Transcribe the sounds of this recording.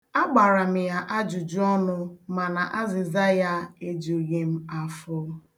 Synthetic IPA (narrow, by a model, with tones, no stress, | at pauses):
a˦ɡ͡ba˨ɾa˨m̩˨ja˨ʔa˦d͡ʒu˨d͡ʒu˦ɔ˦nʊ˦ma˨na˨ʔa˦zɪ˨za˦ja˦e˦d͡ʒu˨ɣe˨m̩˦a˨fʊ˦